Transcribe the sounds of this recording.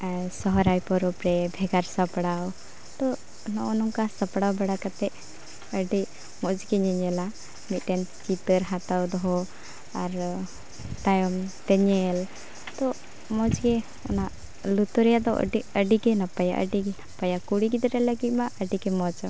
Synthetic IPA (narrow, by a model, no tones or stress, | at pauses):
sɔɦɔɾajpɔɾɔpɾɛbʱɛɡaɾsəpɽaw | t̪ɔ | nɔʔɔnɔŋkasəpɽawbaɽakat̪ɛʔ | əɖi | mɔd͡ʒɡɛɲɛɲɛla | mit̪̚ˀʈɛnt͡ʃit̪əɾɦat̪awd̪ɔɦɔ | aɾ | t̪ajɔmt̪ɛɲɛl | t̪ɔ | mɔd͡ʒɡɛ | ɔ̰naʔ | lut̪ɔɾɛjad̪ɔʔə̰ɖiəɖiɡɛnapaja̰ʔə̰ɖiɡapajakuɽiɡit̪ɾɛləɡit̪̚maʔəɖiɡɛmɔd͡ʒɔ